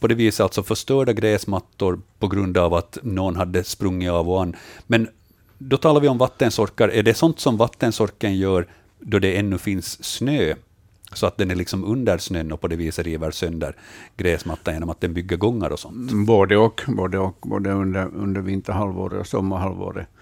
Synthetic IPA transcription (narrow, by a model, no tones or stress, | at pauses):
pʰɔd̪ɛːviːsəalt̪sɔfœʂt̪œːɖaɡɾɛːsmat̪ːʊɾpʰɔɡɾʉnd̪aːvat̪noːnɦad̪ːəspɾɵŋːɪɑːvɔanːmɛn | d̪ɔt̪ʰɑːlaɾvɪɔmvat̪ːənsɔɾkːaɾʔæɖɛsɔnt̪sɔmvat̪ːənsɔɾkənjœːɾ | d̪ɔɖ̪ɛɛnːʉfɪnsːnøː | sɔat̪̚d̪ɛnæɾɭɪksɔmɵnd̪əɾsnøːnːɔpʰɔd̪ɛviːsaɾiːvəɾsœnd̪ə̰ɾɡɾɛːsmat̪ːanjeːnɔmat̪̚d̪ɛnbʏɡːəɾɡɔŋːa̰ɾʔɔsɔnt̪boːd̪əɔkboːd̪əɔkbo̰ːd̪əɵnd̪əɾɵ̰nd̪əɾvɪnt̪əɾhalvo̰ːɾə̰ɔ̰sɔmːahalvo̰ːɾə̰